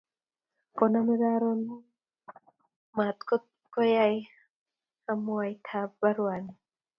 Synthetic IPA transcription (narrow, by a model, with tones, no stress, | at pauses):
kɔ˧na˧mi˧da˧ɾo˧n | ma˨t̪̚ko˦t̪̚kɔ˦ja˧j | ha˧mu˧a˨jt̪ʰa˧˦p̚ba˧ɾwa˨n